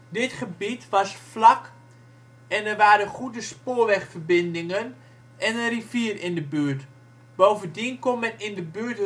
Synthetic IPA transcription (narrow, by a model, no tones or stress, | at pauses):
dɪtχəbitʋɑsflak | ɛnərʋaːɾəχudəspoːɹʋɛxfərbɪndɪŋən | ɛnənriviərɪndəbyərt | b̥owvəndinkonmɛnɪndəbyːt